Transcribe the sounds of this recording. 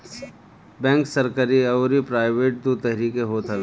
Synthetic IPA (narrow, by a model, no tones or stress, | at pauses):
bɛ̃ːŋksɐɾkəɾiɐːɾipɾaːɪʋeːʈ̚d̪ut̪ɛɦɾiːkeɦoːt̪ʰɐ